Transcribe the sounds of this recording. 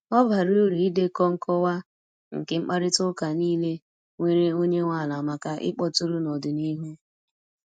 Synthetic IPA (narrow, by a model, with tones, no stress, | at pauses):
ɔ˦ba˨ɾi˦o˦ɾi˨i˦de˦kɔ˦ŋ̩˦kʰɔ˦wa˦ | ŋ̩˨ke˨ŋ͡m̩˦k͡pa˦ɾɪ˦tʊ˦ka˨niː˦le˦ | ŋʷe˨ɾe˦o˦ɲe˦ŋʷa˦˨la˨ma˨ka˦ʔɪ̰˦k͡pɔ˦tu˦ɾu˦nɔ˨dɪ˨ni˦ɦu˦